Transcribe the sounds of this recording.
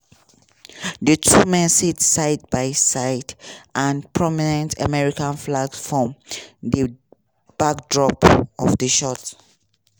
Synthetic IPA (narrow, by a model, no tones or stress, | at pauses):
dətʰumɛ̃nsitsaɪt̚baɪsaɪdʔãnpʰɹɔminɛ̃ntʰamɛɹikãnflaɡsfɹɔ̃mdə | b̥ak̚dɹɔpɔfdəʃɔt